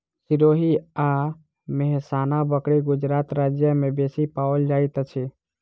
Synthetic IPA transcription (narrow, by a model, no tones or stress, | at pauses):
siɾoɦia | meɦsanabəkɽiɡud͡ʒɾat̪ɾad͡ʒjəmebesipaəld͡ʒajt̪ət͡ʃʰɛ